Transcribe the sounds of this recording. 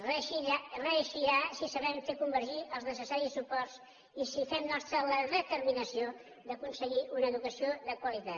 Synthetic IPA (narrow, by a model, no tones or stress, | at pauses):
rirəːʃiɾasisəβɛmfekumbəɾʒiʔəlˠznəs̬əsaɾisːupɔrs | isifɛmnɔst̪ɾələðət̪əɾminəsio | d̪əkunsəɣiʔunəːðukəsioðəkwəlit̪at̪